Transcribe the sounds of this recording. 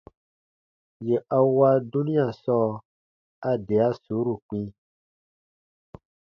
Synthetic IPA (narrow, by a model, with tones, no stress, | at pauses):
je˨ʔa˨wa˦du˦nĩ˦a˨sɔ˦ | a˦de˨a˦so˨˦ɾu˨k͡pĩ˦